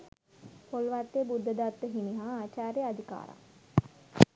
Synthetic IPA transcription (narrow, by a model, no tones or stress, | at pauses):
polʋat̪ːebud̪ːəd̪at̪ːəɦiniɦaːaːt͡ʃaːɾjəad̪ʱika̰ːɾa̰